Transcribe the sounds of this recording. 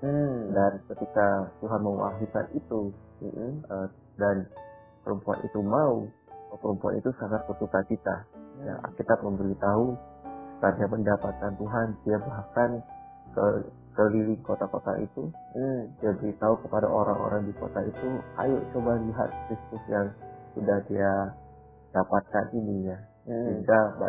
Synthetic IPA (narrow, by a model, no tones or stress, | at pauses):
m̩dankət̪ikat̪uɦanməwa̰ɦika̰nit̪u | ə | dan | pəɾumpua̰nʔḭt̪umau | əpəɾumpuɦa̰nit̪usaŋat̪̚pət̪utankit̪a̰ja̰ʔa̰kit̪at̪̚məmbəɾit̪aɦuəkard͡ʒaməndapat̪̚kant̪uɦandiabakan | kə | kəlilɪŋkot̪akot̪a̰ʔḭt̪udiabəɾit̪aukəpada̰ʔoɾaŋo̰ɾaŋdiko̰t̪ait̪ua̰jʊʔt͡ʃobahliɦa̰t̪̚kɾist̪ʊsjaŋudahdia | d̥apat̪̚kaninija | iŋɡaba